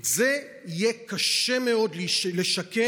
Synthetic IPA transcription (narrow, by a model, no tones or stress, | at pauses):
ze | ijekaʃemeo̞dlileʃake